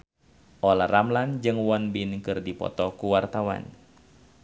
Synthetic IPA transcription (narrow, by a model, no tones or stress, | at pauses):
ʔɔlaramland͡ʒɨŋwɔnbinkɨrdipɔ̰t̪ɔkuwart̪awa̰n